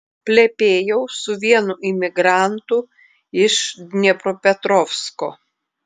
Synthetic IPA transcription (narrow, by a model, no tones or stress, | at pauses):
pʲlʲɛpʲeːjɛʊsʊʋʲiɛnʊʔɪmʲɪɡɾɑˑnt̪ʊ | ɪʃnʲɛpɾoːpʲɛt̪ɾɔːfskoː